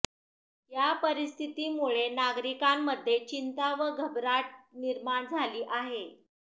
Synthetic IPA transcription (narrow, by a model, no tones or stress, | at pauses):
japəɾist̪ʰit̪iːmuɭenaɡɾikamːəd̪ʱːjet͡ɕint̪aʋəɡʱəbɾaʈ̚niɾmaɳd͡zʱaliːʔaɦe